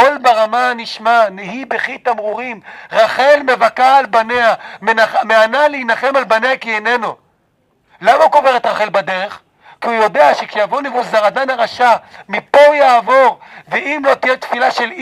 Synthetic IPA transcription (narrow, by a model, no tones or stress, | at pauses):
o̞lbaʁamaniʃmaneɦibeχit̪amʁuʁimʁaχe̞lme̞vakaːlbaneamenameanalehinaχe̞malbaneakiene̞no | lamauko̞veʁet̪ʁaχe̞lbad̪eʁeχ | kiujo̞d̪eaʃekʃejavonevuzaʁad̪anaʁaʃamipo̞jaːvo̞ʁveimlo̞t̪ijet̪filaʃe̞l